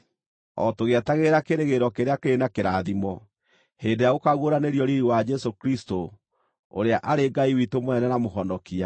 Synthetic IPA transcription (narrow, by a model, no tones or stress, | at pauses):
ɔ̰toɣeɛtaɣeɾakeɾeɣeɾɔkeɾeakeɾenakeɾaðimɔ | heːndejaɣokaɣwoɾaneɾjɔɾiɾiwad͡ʒɛsokɾisto | o̰ɾeaʔaɾeɡaiwitomoɛnɛnamoɦɔndɔkia